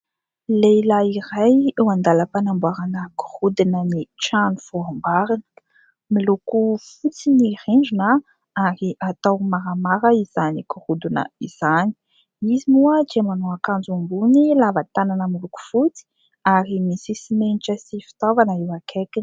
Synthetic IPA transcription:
lelaiɾajewand̪aləpanambuaɾanəku̥hud̪inənit͡ʃanufɔmbaɾin | milukufut͡siniɾinɳd͡ʒuna | aɾiʔat̪awmaɾamaɾəiz̥anikurud̪unə̰iz̥ani̥ | izimuəd͡ʒemanuakand͡zumbunilavat̪ananəmiluku̥fut͡si̥ | aɾimisisimeniʈ͡ʂəsifi̥t̪avanəiwakʰekin

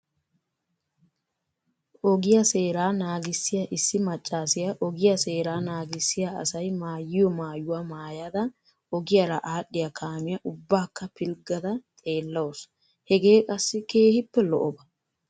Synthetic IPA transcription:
ʔɔɡɪjɐse̞ːɾaːnaːɡɪsːɪjɐʔɪsːɪmɐt͡ʃʼːaːsɪjɐʔɔɡɪjɐse̞ːɾaːnaːɡɪsːɪjaɐ̰sɐjmaːjːɪjɔmaːjʊwamaːjad̪ɐ | ʔɔɡɪjɐɾɐʔaːɗːɪjɐkʰaːmɪjɐʔʊbːaːkːɐpɪlɡɐd̪ɐt̪ʼe̞ːlːɐwɔs | hɛɡe̞ːkʼɐsːɪke̞ːhɪpːɛlɔ̰ʔɔbɐ̥

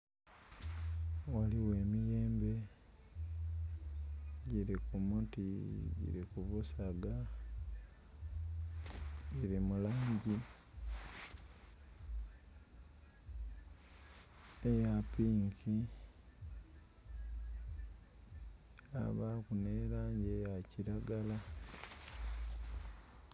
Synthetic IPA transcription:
waliwe̞ːmijeːmbe̞ | ɟiɾikumutiɟḭɾḭkuβusaɡa | ɟiɾimulaːɲɟi | ejapiːŋki | a̰βakuneːɾaːɲɟejaciɾaɡala

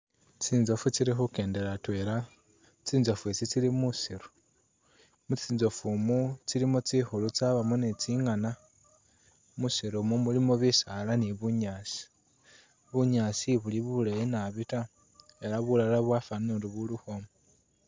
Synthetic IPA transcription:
t͡siːnzo̞fut͡siɾixuke̞ːnde̞ɾatweɾa | t͡siːnzo̞fwet͡sit͡silimusiɾo | mut͡siːnzo̞fumut͡silimut͡sixulut͡saβamunet͡siŋana | musiɾomumulimoβisalaniβuɲasi̥ | βuɲaːsiβuliβulejenaβita | eɾaβulalaβwafanuɾiβuluhomo

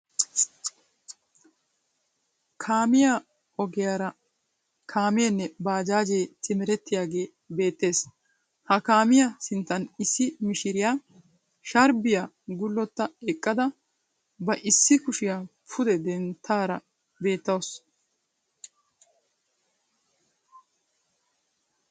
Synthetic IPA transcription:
kʰaːmɪja | ɔɡɪjaːɾɐ | kʰaːmɪjɛnːɛbaːd͡ʒaːd͡ʒejt̪ɪmɪɾɛt̪ːɪjaːɡe̞ː | be̞ːt̪ːe̞ːs | hɐkaːmɪjɐsɪnt̪ːɐnɪsːɪmɪʃɪɾɪjaː | ʃɐɾbɪja | ɡʊlːɔt̪ːɐɛkʼːɐd̪ɐ | bɐʔɪsːɪkʊʃɪjapʰʊd̪ɛd̪ɛnt̪ʰːaːɾɐ | be̞ːt̪ːɐws

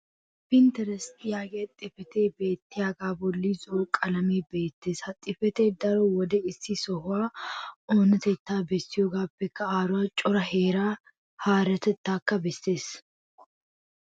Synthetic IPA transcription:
pɪnt̪ɛɾɛst̪jaːɡɛɐt̪ʼɪfɛt̪eːbe̞ːt̪ːɪjaːɡaːbɔlːizokʼɐlɐmeːbe̞ːt̪ːeːshɐt̪ʼːɪfɛt̪eːd̪ɐɾɔwɔd̪ɛɪsːisɔhʊaːoːnɐt̪ɛt̪ːaːbɛsːɪjɔɡaːbːɛkːɐaːɾʊaːt͡ʃʼɔɾɐɦeːɾaː | haːɾɛt̪ɛt̪ːaːkːɐbɛsːe̞ːs

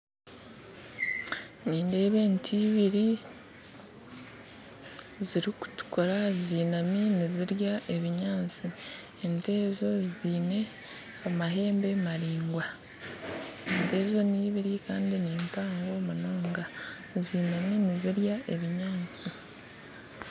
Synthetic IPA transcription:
niːnde̞ːβe̞ːntʰiːβiɾi | ziɾiku̥tu̥ko̞ɾaziːnaminiziɾjaʔe̞βiɲaːnt͡si | ente̞ːzo̞ziːne̞ | amaɦe̞ːmbe̞maɾiːŋɡwa | ente̞ːzo̞niːβiɾikaːndiniːmpaːŋɡo̞manoːŋɡa | ziːnaminiziɾjaʔeβiɲaːnt͡si

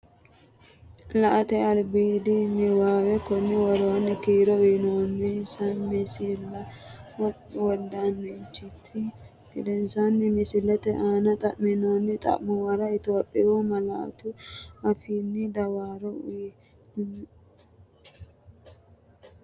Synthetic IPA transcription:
lɐʔɐt̪ɛɐlbiːd̪inːɪwaːwɛkɔnːɪwɔɾoːnːɪkiːɾɔwinoːnːɪnsanmɪsɪlːɐ | wɔd̪anːɛnt͡ʃːɪt̪ʰːɪ | ɪlɛnsanːɪmɪsɪlːɐt̪ɛʔaːnɐt̪ʼɐʔmɪnoːnːɪt̪ʼɐ̰ʔmʊwɐɾɐɪt̪o̞ːpʼːɪwomɐlɐʔɐ̰t̪ʊɐfiːnːɪd̪ɐwaːɾɔi

